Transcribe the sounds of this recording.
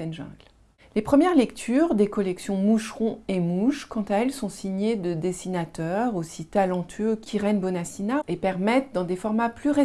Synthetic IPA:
ɛnʒɛ̰̃ɡl | lepχəmjɛʁlɛkt̪ʰyʁd̪ekɔlɛksjɔ̃muʃʁɔ̃emuʃkɑ̃t̪aɛlsɔ̃siɲed̪əd̪esinat̪œʁosit̪alɑ̃t̪ʰɥøkʲʰiʁɛnbɔnasinaepɛʁmɛt̪̚d̪ɑ̃d̪efɔʁmaplyʁe

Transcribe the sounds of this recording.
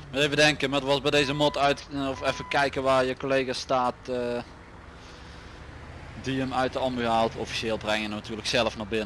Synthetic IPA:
mətejvədɛŋkəmaːətʋɑzbɛjdejzəmɔtœɥtɔfɛfəkɛjkəʋaːɹjəkolejɣastaːtə | diəmœɥtəɑmyɦaːlˠtʰɔfi̥ʃeːlˠbrɛŋənənatyːləksɛlˠəfnabɪnə

